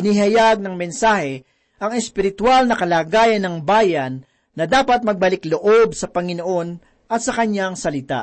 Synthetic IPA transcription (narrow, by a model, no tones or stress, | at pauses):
ɪniɦɐjaɡ̚nɐŋmɛnsaːhɛ | ʔɐŋɛspɪɾɪt̪walnɐkɐlaːɡaːjɐnːɐŋbaːjɐnː | ɐd̪aːpɐt̪̚mɐɡ̚bɐlɪkloʔo̞bsɐpɐŋɪno̞ʔo̞n | ʔɐt̪̚sɐkɐɲjaŋsɐlɪt̪a̰ʔ